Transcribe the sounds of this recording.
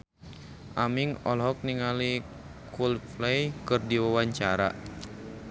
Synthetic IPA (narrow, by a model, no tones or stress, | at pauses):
ʔamiŋɔlɦɔk̚niŋali | kulflɛjkɨrdiwawaɲt͡ʃaɾa̰